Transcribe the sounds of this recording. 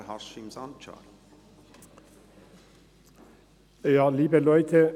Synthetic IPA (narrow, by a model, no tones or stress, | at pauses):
hɑʃimsɑnt͡ʃʰɑ̰l | jɑːliːbəlœʏt̪ʰə